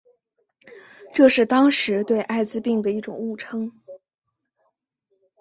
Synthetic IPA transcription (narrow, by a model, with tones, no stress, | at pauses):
ʈ͡ʂɤ˥˧ʂɻ̩˥˩t̪ɑ˥ŋʂɻ̩˧˥t̪we˥˧ɪʔa˥˧ɪt͡sɹ̩˧pi˥˩ŋd̪ə˩i˥˩ʈ͡ʂʊ̰˨˩ŋu˥˩ʈ͡ʂʰɤ˥ŋ